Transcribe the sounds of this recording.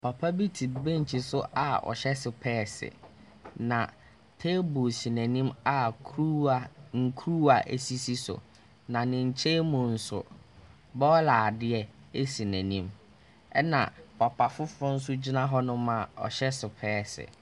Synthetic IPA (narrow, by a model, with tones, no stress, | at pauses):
pʰa˨pʰa˦bi˦tʰi˨bẽ˦ɲ̩˨t͡ɕʰi˨sʊ˦ʔa˨ɔ̰˨ɕɛ˦sɪ˨pʰɛː˦˨sɪ̰˨ | nã˨ | tʰe˦bo˨si˨næ̃˨nĩ˦ma˨kʰɾu˦a˨ŋ̩˨kʰu˦ɾu˦a˨ʔe˨si˦si˦sʊ̰˨ | nã˨nɪ̃˨ɲ̩˨t͡ɕʰeː˦mʊ̃˨n̩˨sʊ̰˨ | bɔ˦ɔ˦laː˨dɪ˦ɛ˦ | e˦sĩ˨næ̃˨nĩ˦m | ɛ˦nã̰˨pʰa˨pʰa˨fʊ˦fʊ˦n̩˦s̬ʊ˦d͡ʑi˦nã˦ɦɔ˦nʊ̃˦mã˨ɔ̰˨ɕɛ˦sɪ˨pʰɛː˦˨sɪ̰˨